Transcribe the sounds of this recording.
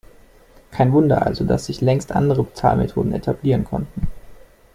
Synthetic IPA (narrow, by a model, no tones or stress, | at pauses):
kʰaɪnvʊndɐʔa̰lzoda̰sz̥ɪçlɛŋstʔa̰ndəʁ̞əbət͡saːlmetʰo̰ːdn̩etʰabliːʁənkʰɔ̰ntn̩